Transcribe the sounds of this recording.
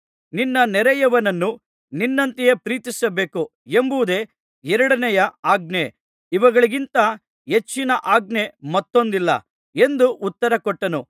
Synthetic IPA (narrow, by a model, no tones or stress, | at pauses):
ninːɐnɛɾɛjɐʋɐnɐnːu | ninːɐnt̪ijepɾiːt̪isɐbe̞ːku | embuʋud̪e̞ː | ɛɾɐɽɐnɛjɐaːɡ̚ɳe | iʋɐɡɐɭiɡint̪ɐ | ɦe̞t͡ʃːinɐʔaːɡne̞mɐt̪ːo̞nd̪ilːɐ̰ | e̞nd̪uʔut̪ːɐɾɐkɔʈːɐnu